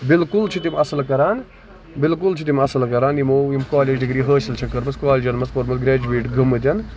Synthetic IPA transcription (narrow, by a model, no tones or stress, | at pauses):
bɪlkult͡ʃʰit̪imɐsɐlkɐɾaːn | bɪlkult͡ʃʰit̪̬imɐsɐlkɐɾaːnjimoːimkaːleːd͡ʒɖiɡɾiːɦəːʃɐlt͡ʃʰɐkːɐɾmɐskaːlʲd͡ʒɐnmɐsfoɾmɐlɡɾʲeːd͡ʒuʋiːʈɡʱɐmːɨt̪ʲɐn